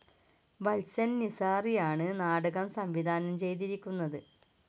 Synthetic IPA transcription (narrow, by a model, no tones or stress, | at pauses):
ʋɐlsɐnnisaːrijaːɳɨnaːɽɐɣɐmsɐmʋid̪ʱaːnɐmt͡ɕe̞jt̪̬iɾikʲːunːɐðɨ